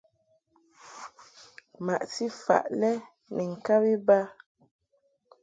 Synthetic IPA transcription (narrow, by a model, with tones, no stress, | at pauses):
ma˨ʔsi˦fa̰˨ʔlɛ˦ | nʔɛ˨ŋ̩˨ka˦bi˦ba˦